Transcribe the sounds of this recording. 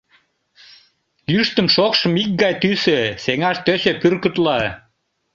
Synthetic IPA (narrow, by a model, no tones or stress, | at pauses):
jyʃt̪ə̆mʃokʃə̆mik̚ɡɑjt̪ysøseŋɑʃt̪øɕepyrkət̪lɑ